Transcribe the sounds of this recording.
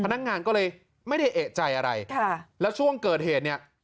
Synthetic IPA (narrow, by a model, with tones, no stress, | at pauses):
a˧na˦˥k̚ŋaː˧nkɔː˥˩lɤː˧j | ma˥˩jda˥˩jʔeː˨˩t̪̚t͡ɕa˧jʔa˧ɾa̰˧jkʰa˥˩lɛː˦˥wt͡ɕʰu˥˩əŋkɤː˨˩t̪̚heː˨˩t̪̚ni˥˩ɐ